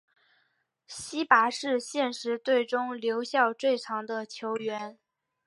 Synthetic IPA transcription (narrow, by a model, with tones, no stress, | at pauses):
ɕi˥pa˧˥ʂɻ̩˥˧ɕjɛ˥˩nʂɻ̩˧˥t̪we˥˩ɪʈ͡ʂʊ˥ŋljo˧˥ʊɕjɑ˥˧ʊt͡swe˥˩ɪʈ͡ʂʰɑ˧˥ŋd̪ə˧t͡ɕʰjo˧˥ʊɥɛ˧˥n